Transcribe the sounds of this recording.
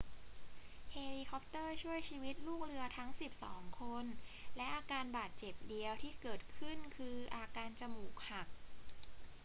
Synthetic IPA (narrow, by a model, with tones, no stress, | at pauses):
heː˧liː˧kʰɔ˦˥p̚t̪ɤː˥˩t͡ɕʰu˥˩əjt͡ɕʰiː˧wi˦˥t̪̚luː˥˩k̚ɾɯ˧ɐt̪ʰa˦˥ŋsi˨˩p̚sɔ̰ː˩˦ŋkʰo˧nlɛ˦˥ʔaː˧kaː˧nbaː˨˩t̪̚t͡ɕe˨˩p̚di˧əwt̪ʰiː˥˩kɤː˨˩t̪̚kʰɯ˥˩nkʰɯː˧ʔaː˧kaː˧nt͡ɕa˧muː˨˩k̚ha˨˩k̚